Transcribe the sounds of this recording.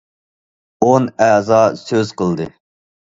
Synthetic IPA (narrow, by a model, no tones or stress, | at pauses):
onæːzɑsøz̥qəlˠd̪ɨ